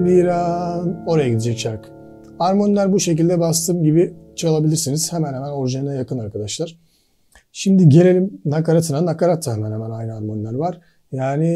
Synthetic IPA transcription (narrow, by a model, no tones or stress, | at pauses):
miːɾaːno̞ɾajaɟid̪id͡ʒɛc̚t͡ʃʰaɾak | aɾmonlˠæɾbuʃe̞c̬ilʲd̪ɛbast̪ʰɯːmɟibit͡ʃʰalˠabilʲiɾsiniz̥hemænhemænoɾʒanɯnajakɯnaɾkʰad̪aʃlˠaɾ̥ | ʃimd̪iɟe̞lʲe̞lʲimnakaɾat̪ʰɯnanakaɾat̪ʰːaɦemænhemænajnɯaɾmonlˠæɾvaɾ̥ | jaːnɪ